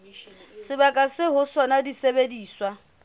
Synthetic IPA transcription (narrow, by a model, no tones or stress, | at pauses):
sɪbakʼasɪɦʊsɔnadisebediːswa